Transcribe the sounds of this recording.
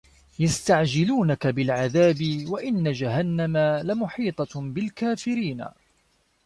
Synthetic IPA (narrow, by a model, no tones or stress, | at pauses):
jast̪aʕd͡ʒɪluːnakabɪlʕaðaːbɪwaʔɪnːad͡ʒaɦanːamalamʊħiːt̪ˤɑbɪlkaːfɪɾiːna̰